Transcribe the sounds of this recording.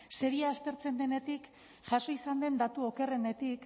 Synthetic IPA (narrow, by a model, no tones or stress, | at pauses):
se̞ɾiaːst̪e̞ɾt͡se̞nd̪e̞ne̞t̪ik | ʝaso̞isand̪e̞nd̪at̪uo̞ke̞re̞ne̞t̪ik